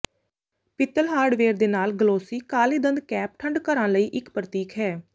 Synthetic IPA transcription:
pɪt̪ːəlɦaːɾɖʋeːɾd̪eːnaːlɡəloːsiːkaːliːd̪ənd̪kɛːp̚ʈʰəɳɖkəɾãːləiːʔɪkpɾət̪iːkɦɛː

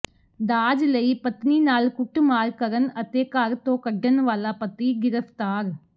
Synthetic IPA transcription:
d̪aːd͡ʒləiːpət̪niːnaːlkʊʈmaːɾkəɾənət̪eːkaɾt̪õːkəɖənʋaːlaːpət̪iːɡɪɾəpt̪aːɾ

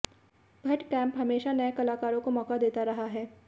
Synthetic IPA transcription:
bʱɐʈkɛ̃ːmpɦɐmeːʃanɐẽkɐlaːkaːɾõkomɔːkad̪eːt̪aɾɐɦaɦɛː

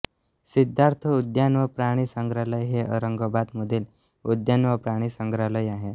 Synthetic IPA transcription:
sid̪ʱːaɾt̪ʰəud̪janʋəpɾaɽ̃isəŋɡɾaləjɦeʔə̰ɾəŋɡəbad̪məd̪ʱiːl | ud̪janʋəpɾaɽ̃iːsəŋɡɾaləjaɦe

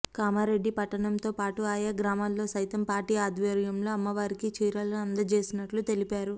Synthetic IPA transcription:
kaːmaːɾe̞ɖːipɐʈːɐɳɐmt̪o̞ːpaːʈuaːjaːɡɾaːmaːlːo̞ːsɐjt̪ɐmpaːɾʈiːaːd̪ʋɐɾjɐmlo̞ːɐmːɐʋaːɾikit͡ʃiːɾaːlɐɐnd̪ɐt͡ʃe̞ːsinɐʈlut̪e̞lipaːɾu

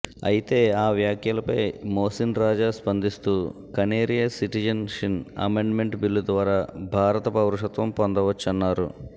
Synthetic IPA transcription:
ɐjit̪e̞ːaːʋjaːkʰjɐlɐpɐjmoːsinɾaːd͡ʒaːspɐnd̪ist̪uː | kɐneːɾijɐsiʈid͡ʒɐnʂinɐ̰meɳɖme̞ɳʈbilːud̪ʋaːɾaːbʱaːɾɐt̪ɐpɐwɾuʂɐt̪ʋɐmpond̪ɐʋɐt͡ʃːɐnːaːɾṵ

